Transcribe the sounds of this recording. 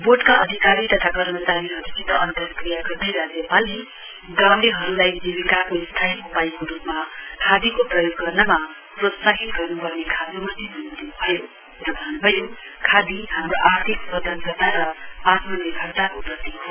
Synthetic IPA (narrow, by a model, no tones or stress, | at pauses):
boʈkaʌd̪ʱikaɾit̪ʌt̪ʰakʌrmʌt͡saɾiɦʌɾukit̪ʌʔʌnt̪ʌrkrijaɡʌrd̪ʌjɾad͡zjʌpali | ɡãwleɦʌɾulajd͡zibikakoist̪ʰajupaikoɾupmakʰad̪ikoprʌjoɡːʌrnʌma | prod̪saɦit̪ɡʌrnupʌrnekʰad̪omʌt̪ibʱʌnd̪ebʱʌjo | ɾʌbʱʌnubʱʌjokʰad̪ihamɾoʔaɾt̪ʰiksʌd̪ʱʌnɡʌrt̪aɾʌat̪mʌlekʰʌrt̪akoprʌt̪iɦo